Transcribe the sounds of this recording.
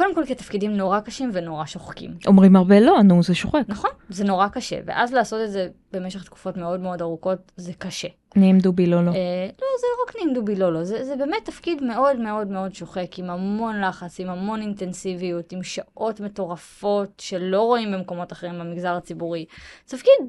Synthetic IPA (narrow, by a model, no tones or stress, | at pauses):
kode̞mko̞lket̪afkidimno̞ʁakaʃimveno̞ʁaʃoχkḭmʔomʁimhaʁbelo̞anuzeʃoχeknaχo̞nzeno̞ʁakaʃḛvḛʔazleaːso̞tetzeb̥e̞meʃeχt̪ku̥fo̞tme̞o̞dme̞o̞daʁuko̞tzekaʃe̞ | niːmd̪ubilololozeʁaknimd̪ubilo̞lo̞zezebeːme̞tːafkidme̞ʔo̞dme̞o̞dme̞o̞dʃo̞χe̞kimamo̞nlaχat͡simamo̞nintensivijutimʃaʔo̞tme̞to̞ʁafo̞tʃe̞lo̞ʁo̞imbemko̞mo̞taχeʁimbamiɡzaʁat͡sibuʁitafkid